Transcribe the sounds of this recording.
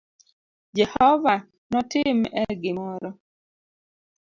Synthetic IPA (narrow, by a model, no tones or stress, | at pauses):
d͡ʒɛhɔva | nɔtɪmɛɡɪmɔɾɔ